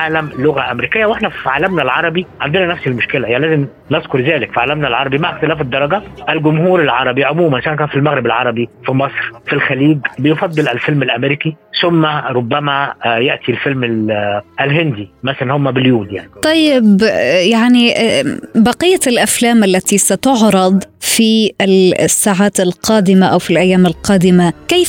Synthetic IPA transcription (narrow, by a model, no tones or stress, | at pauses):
ʕaːlæmlʊɣæʔæmɾiːkɪjːæwʔeħnæfʕaːlæmnælʕɑɾˤɑbiʕand̪enænæfsilmʊʃkelæjaʕnlæːzem | nezkʊɾˤzæːlɪkfiʕaːlæmnælʕɑɾˤɑbimaʕaxt̪ɪlæːfed̪ˤːɑɾˤɑɡæʔælɡʊmhuːɾalʕɑɾˤɑbiʕomuːmænʃæːnkæːnfilmæɣɾɪbælʕɑɾˤɑbifimɑsˤɾfilxæliːɡbɪjfɑd̪ˤːɨlʔælfɪlmælʔæmeɾikisʊmːæɾˤʊbːæmæjeʔt̪ʰilfɪlmɪlʔɪlɦɪnd̪imæsælænhʊmːæbɪljuːd̪ja̰nit̪ˤɑjːɪbjaʕniʔbɑqijːalʔaflaːmʔalːat̪isat̪ʊʕɾˤɑd̪ˤfiɪsːaːʕaːt̪ɪlqɑːd̪ɪmaʔawfilʔajːaːmɪlqɑːd̪ɪmakeːf